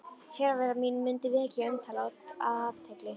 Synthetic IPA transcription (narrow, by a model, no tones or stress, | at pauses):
fɛːɾavɛːɾamiːnʏmːʏnt̪ɪvɪɛcːɪœmt̪ʰaːlaat̪ʰɛjklɪ